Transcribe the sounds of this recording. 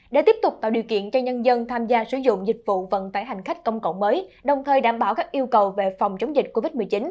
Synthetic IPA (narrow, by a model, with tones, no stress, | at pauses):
ɗe˧˩t̪i˦˥əp̚t̪ʊ˨˩k͡p̚t̪a̰ː˧˨˩ɗi˨˩əwkḭ˧˨ənt͡ɕɔ˧ɲə˧nzə˧nt̪ʰaː˧mzaː˧sɨ˧˩˦zʊ̰˧˨ŋ͡mzï˨˩k̟̚vṵ˧˨və̰˧˨nt̪aː˧˩jɦa˨˩jŋ̟xa˦˥k̟̚kə˧wŋ͡mkə̰˧˨wŋ͡mməː˨˦jɗə˨˩wŋ͡mt̪ʰəː˨˩jɗaː˧˩mɓaː˧˩wkaː˦˥k̚ʔi˧əwkə˨˩wve˨˩fɔ˨˩wŋ͡mt͡ɕə˨˦wŋ͡mzï˨˩k̟̚ko˧vi˦˥t̚m˨˩t͡ɕi˨˦n